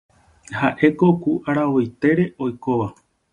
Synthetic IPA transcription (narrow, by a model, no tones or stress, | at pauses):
haʔe̞ko̞kuʔaɾaojt̪e̞ɾe̞ʔo̞jko̞ʋa